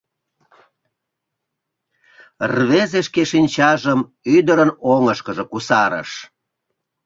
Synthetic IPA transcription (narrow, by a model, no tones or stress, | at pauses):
rβezeʃkeʃinʲt͡ɕɑʒəm | yd̪əɾənoŋəʃkəʒekusɑɾə̰ʃ